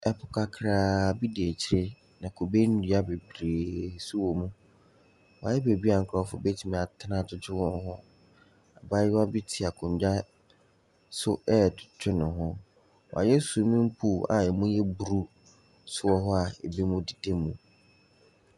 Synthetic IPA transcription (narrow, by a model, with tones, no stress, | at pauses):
ɛ˨pʰʊ˨kʰa˨kʰɾaː˨bi˦di˨e˨t͡ɕʰɪ˦ɾe˦ | nã˨kʰo˨be˦n˦di˨˦a˦be˨bɾe˨su˦wo˨mũ˦ | wa˨jɛ˦be˨bi˦a˨ŋ̩˨kʰʊ˦ɔ˦fʊ̰˨˦be˦tʰi˨mĩ˨a˨tʰnã˦tʊ˦t͡ʃʰᶣɪ˦wɔ̃˦n˦ɦʊ˦ | a˨ba˦ɪ˦wa˦bɪ˦tʰi˨a˨kʰʊ̃˨ɲ˨d͡ʑa˦ | sʊ˦ɛː˦˨dt͡ʃʰᶣɪ˦nʊ̃˨ɦʊ˦ | w̰a̰˨jɛ˦su˨˦mĩ˦m̩˦pʰu˦˨a̰˨ɛ˨mũ˦jɛ˦bu˨ɾu˦ | sʊ˦ɔ˨ɦɔ˦a˨e˨bi˦mʊ̃˦di˨de˦mũ˨